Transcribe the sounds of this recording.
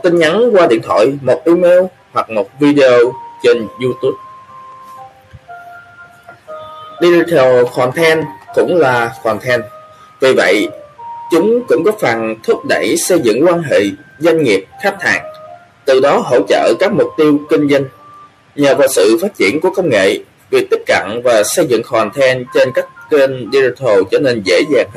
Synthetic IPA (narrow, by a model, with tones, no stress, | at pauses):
t̪i˧nɲa˨˦nkwaː˧ɗḭ˧˨ənt̪ʰɔ̰˧˨jmo˨˩t̚ʔi˧me˧w | hwa˨˩k̚mo˨˩t̚vi˧ɗe˧o˧t͡ɕe˧nzu˧t̪u˦˥p̚ | ɗi˧t̪ʰɛ˧wxwaː˨˩nt̪ʰɛ˧nkʊ̰˧˥ŋ͡mlaː˨˩xwaː˨˩ŋt̪ʰɛ˧n | vi˨˩və̰˧˨jt͡ɕʊ˨˦ŋ͡mkʊ̰˧˥ŋ͡mkɔ˨˦faː˨˩nt̪ʰwʊ˦˥t̚ɗə̰˧˩jsə˧jzɨ̰˧˨ŋkwaː˧nɦḛ˧˨zwa˧jŋ̟ŋi˨˩əp̚xa˦˥k̚t̪ʰa̰ː˨˩ŋ | t̪ɨ˨˩ɗɔ˨˦ɦo̰˧˥t͡ɕə̰ː˧˨kaː˦˥k̚mʊ˨˩k͡p̚t̪i˧əwkï˧ŋ̟zə˧ŋ̟ | ɲəː˨˩vaː˨˩wsɨ̰˧˨faː˦˥t̚t͡ɕḭ˧˩ənku˧˩əkə˧wŋ͡mŋḛ˧˨ | vi˨˩ək̚t̪i˦˥k̚kə̰˧˨nvaː˨˩sə˧jzɨ̰˧˨ŋxwaː˨˩nt̪ʰɛ˧nt͡ɕe˧nkaː˦˥kke˧nɗi˧zi˧t̪ʰo˨˩t͡ɕɔː˧˩˦ne˧nzḛ˧˥zaː˨˩ŋ